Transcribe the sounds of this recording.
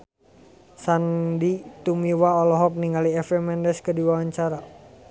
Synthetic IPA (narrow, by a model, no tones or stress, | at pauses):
sandit̪umiwaɔlɔɦɔk̚niŋɡaliɛfɛmɛndɛskədiwawaɲt͡ʃaɾa